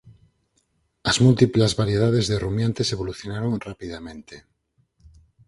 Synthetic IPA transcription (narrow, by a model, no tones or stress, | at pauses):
ɐzmult̪iplazβaɾjeð̞aðezðerumjãnt̪eseβ̞oluθjonaɾõŋrapiðamẽnt̪e